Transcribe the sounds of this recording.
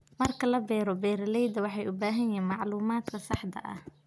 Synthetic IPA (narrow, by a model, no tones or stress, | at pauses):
mɐrkʰɐlɐbɛːɾɔbɛːɾɐlɛjd̪ɐwɑħɑjʊbaːɦɐjɛːnmɑʕluːmaːd̪kʰɐsɑħd̪ɐ̰ʔɐ̰h